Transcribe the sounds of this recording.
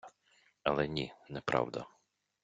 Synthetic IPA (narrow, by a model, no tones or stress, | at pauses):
ɐlˠɛnʲinɛpɾʔɑ̰wd̪ɐ̰